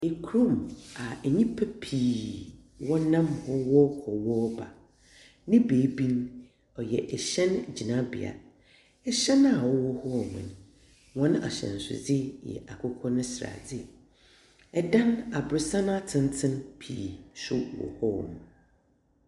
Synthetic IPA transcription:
e˨kʰu˦ɾũ˦˨ma˨ɛ˨ɲĩ˦pʰa˦pʰiː˨ | wɔ˦nã˦mhɔ˦wɔ˦hɔ˨wɔ˦ba˨ | nɪ̃˦beː˨˦bi˦n | ɔ˨jɛ˨ʔɛ˨ɕɛ̃˦n˨d͡ʑi˨nã˦bɪ̰˨a̰˨ | ɛ˦ɕɛ˦na˨wɔ˦wɔ˦hɔ˦˨mʊ̰̃˨nʊ̃˨ | wɔ̃˦nʊ̃˦ʔa̰˨ɕɛ̰̃˨n˨sʊ̰˨d͡zɪ˦jɛ̰˨ʔa˨kʰʊ˦kʰɔ˦nʊ̃˦sɾa̰˨d͡zɪ˦ | ɛ˦dã˦na˨bɾʊ˨sã˦n˦a˦tʰɪ̃˦n˦tʰɪ̃˦npʰiː˨sʊ˦wɔ̰˨hɔ̰˦˨mũ˨

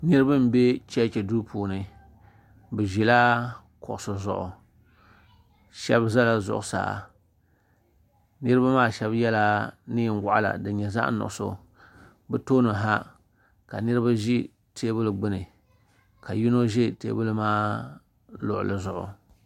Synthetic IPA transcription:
nɨ˦ɾɨ˦bɨ˦m˦be˦t͡ʃɛ˦t͡ʃɛ˨du˦pʰuː˨nɨ˨ | bɨ˨ʒi˨la˦ | kʊ˨ʔʊ˨so˨zʊ̰˨ʔʊ̰˨ | ʃɛ˦bza˦la˨zʊ̰˨ʔʊ˨sa̰ː˨a̰˨ | nɨ˦ɾɨ˦ba˦maː˦˨ʃɛ˦bjɛ˦la˦nɨ˦n˦ɡa̰˨ʔa̰˨la̰˨dɨ˨ɲɛ˨za̰˦ʔnʊ̰˨ʔʊ˨so̰˦ | bɨ˦toː˦nɨ˨ɦa˦ | ka˨nɨ˦ɾɨ˦ba˦ʒi˦ | tʰeː˦bɨ˦lɨ˨ɡ͡bɨ˦nɨ˨ | ka˨ji˦no˦ʒi˦tḛː˦bɨ˦lɨ˦maː˦ | lʊ̰˨ʔʊ̰˨lɨ˦zʊ˨ʔʊ̰˨

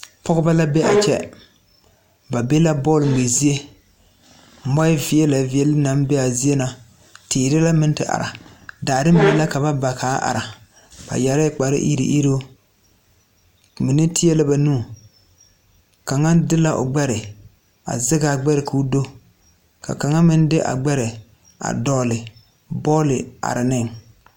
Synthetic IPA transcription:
pɔ˦ɣʊ˦ba˦la˦be˦a̰˨t͡ʃɛ̰˦ | ba˨be˦la˦bɔː˦˨lm̩˨e˨zi˦e˦˨ | mɔ˦ɪ˦vi˨ɛ˦la˨vi˦ɛ˦lna˦m˦be˦a˨zi˦e˦na˦ | tiː˨ɾɪ˦la˦mɪ˦n˦tɪ˨ʔa̰˨ɾa̰˨daː˨dɪ˦m˦bi˦la˦ka˨βa˦ba˨kʰaː˨˦ʔa̰˨ɾa˨ | ba̰˨ja˨ɾa˦k͡pa˨ɾɪ̰˦ʔḭ˦ɾḭ˨˦ʔi˦ɾo˦ | mɪ˨nɪ˦tɪ˦ɛ˦la˦ba˨nũː˦˨ | ka˨ŋa˦dɪ˦la˦ʔʊ̰˨ɡ͡bɛ˦ɾɪ˨ | a̰˨zɪ˦ɡa˨ɡ͡bɛ˦ɾɪ˨kʰu˦do˦ | ka̰˨ka˨ŋa˦mɪ˦n˦dɪ˦ʔa̰˨ɡ͡bɛ˦ɾɪ˨ | a̰˨dɔː˦lɪ˨ | bɔː˦lɪ˨a̰˨ɾɪ˨nɪ˦ŋ

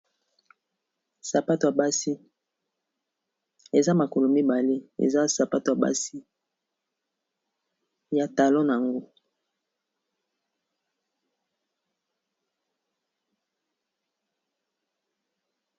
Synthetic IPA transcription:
sa˨pa˦to˨ja˨ba˦si˦ | e˨za˦ma˨ko˨lo˨mi˦ba˨le˦ḛ˨za˦sa˨pa˦to˨ja˨ba̰˦si˦ | ja˨ta˨lɔ˦na˨ŋɡo˦

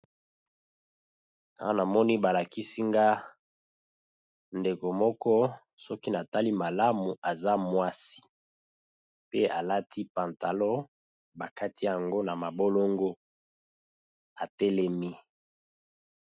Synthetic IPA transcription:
a̰˦a˦na˨mɔ˦ni˦ba˨la˨ki˦si˦ŋɡa˦ | nde˨ko˨mɔ˦kɔ˦ | sɔ˦ki˦na˨ta˦li˦ma˨la˦mu˨a˨za˦mwa˦si̥˨ | pe˦a˨la˦tʰi˦pã˨nta˨lɔ˦ | ba˨ka˦ti˦ja˨ŋɡo˦na˨ma˨bo˦lo˦ŋɡo˦ | a˨tɛ˦lɛ˦mi˦

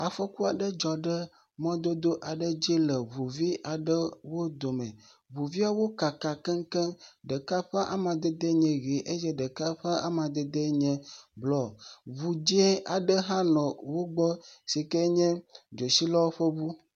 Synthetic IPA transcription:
a˨ɸɔ˦ku˦a˨ɖə˦d͡ʒɔ˨ɖə˦ | mɔ̃˦d̪o˦d̪o˦ʔa˨ɖə˦d͡ʒi˦lɛ˨vu˨vi˦ʔa˨ɖə˦wo˦d̪o˨mɛ̰̃˨ | vu˨vi˦a˨wo˦ka˨ka˨kɛ˦ŋ˦kɛ̃˦ɖə˨ka˦ɸɛ˦ʔa̰˦mã˨d̪ɛ˨d̪e˦ɲɛ̃˨ɣe˨ʔe˦jɛ˦ɖə˨ka˦ɸɛ˦a˦mã˨d̪ɛ˨d̪ɛ˦ɲɛ̃˨blɔ˨βu˨d͡ʒi˦e˦a˨ɖə˦ɦã˦nɔ̃˨wo˦ɡ͡bɔ˦si˨kɛ˦ɲɛ̃˦d͡ʒo˨si˦lɔ˦wo˦ɸə˦bu˦

